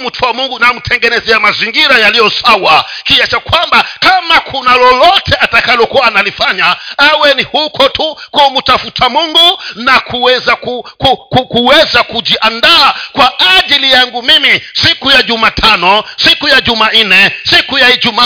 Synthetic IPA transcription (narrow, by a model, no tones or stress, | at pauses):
m̩tʰuwamuŋɡunam̩tʰɛŋɡɛnɛzɛamaziŋɡiɾajalijɔsawakiat͡ʃakwambakamakʰunalɔlɔtʰɛʔatakalɔkuwaːnalifaɲaawɛnihukʰɔtukum̩tafutʰamuŋɡunakʰuwɛzakukukukuwɛzakuʄiʔandaːkwaʔaʄilijaŋɡumimisikujaʄumatʰanɔsikujaʄuman̩nɛsikujahiʄuma